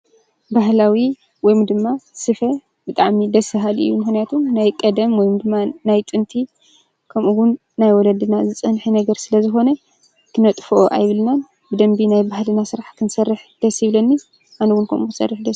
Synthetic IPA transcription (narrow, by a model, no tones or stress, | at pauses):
baɦlawi | wɔjmd̪ɨmːasɨfɐ | b̥ɨt̪ʼaʕmid̪ɐsɨɦalɨ̰jːumɨxnijat̪ʰumnajkʼɐd̪ɐmwɔjmd̪ɨmːanajt̪ʼɨnt̪ʰi | kʰɐmuwʊnːajwɔlɐd̪ɨnazɨt͡sʼɐnħinɐɡɐɾsɨlɐzɨxo̞nɐ | kʰɨnɐt̪ʼfoʔoʔa̰jβɨlnan | bɨd̪ɐmbinajbaɦlɨnasɨɾaħkʰɨnsɐrːɨħd̪̥ɐsjɪβlɐnːi | ʔanuwʊnkʰɐmukɨsɐ̰rːɨħd̪ɐs